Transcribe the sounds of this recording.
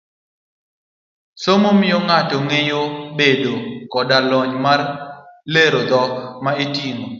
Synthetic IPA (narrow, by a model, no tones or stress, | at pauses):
somomɪɔŋatɔŋejobedokɔdalɔɲmarleɾod̪ɔkmaetiŋo